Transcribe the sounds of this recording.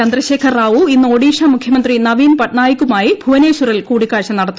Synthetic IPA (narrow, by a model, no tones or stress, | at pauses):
ɐnd̪rɐɕeːkʰɐrraːʋuinːɨoːɽiːʂaːmukʰjɐmɐnd̪rinɐʋiːnpɐʈɳaːjikʲːumaːjibʱuʋɐneːɕurɐlkuːɽikːaːɻɕɐmnɐɽɐt̪ː